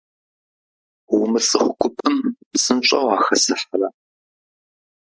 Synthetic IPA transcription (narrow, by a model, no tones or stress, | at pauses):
wʊmɨsɨχʷʊkʷʰʊpʰɨmsɨnt͡ʃʷʼɐwaːxɐsɨħɐrɐ